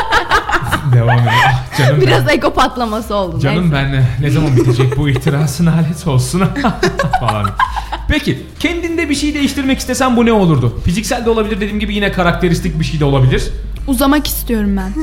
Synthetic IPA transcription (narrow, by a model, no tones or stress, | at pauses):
d̪evaːmed̪ɾd͡ʒanɯmbiɾazekopat̪lˠamasɯo̞lˠd̪ud͡ʒanɯmbænnezamanbit̪ʰed͡ʒɛc̚buiht̪ʰiɾaːsɯnalʲɛso̞lˠsunafalˠa̰npʰecʰi | cʰɛnd̪ind̪ɛbiʃejid̪e̞jiʃt̪ʰiɾmɛci̥st̪ʰesænbunɛo̞lˠuɾd̪ʊfizicsælʲd̪ɛo̞lˠabilʲiɾd̪ed̪imɟibijinɛkʰaɾak̚t̪e̞ɾist̪ʰic̚biʃejd̪ɛolˠabilʲiɾ̥ | uzamaki̥st̪ʰijo̞ɾumbæn